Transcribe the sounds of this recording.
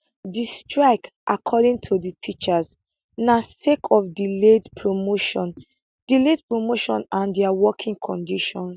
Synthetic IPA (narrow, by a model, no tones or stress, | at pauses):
distʰɹaɪk | ʔakʰɔdĩŋtʰuditʰit͡ʃəz | nasekʰɔfdiledpʰɹomoʃɔ̃n | d̥iled̚pɹomoʃɔ̃nãndɛawɔkʰĩŋkʰɔ̃ndiʃɔ̃ns